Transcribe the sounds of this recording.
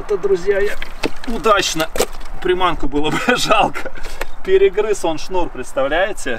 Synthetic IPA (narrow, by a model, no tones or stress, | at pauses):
t̪əd̪ɾʊzʲjajaʊd̪at͡ɕnəpɾʲɪmankʊbɨlˠəbɨʐɑlˠkə̥pʲɪɾʲɪɡɾɨso̞nʂnurpɾʲɪt̪st̪ɐvlʲæjɪtʲɪ